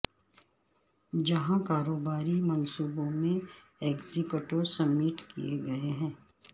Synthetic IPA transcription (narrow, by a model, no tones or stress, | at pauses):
d͡ʒɐɦãkaːɾoːbaːɾimɐnsuːbõmẽ | eːɡzikʊʈoɾsɐmːiːʈkḭjeɡɐeɦɛ̃ː